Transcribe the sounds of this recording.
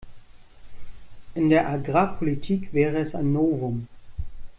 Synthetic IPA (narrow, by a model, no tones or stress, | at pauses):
ʔɪndeːɐʔaɡʁaːpʰolitʰiːkv̥ɛːʁəɛsaɪnːoːvʊm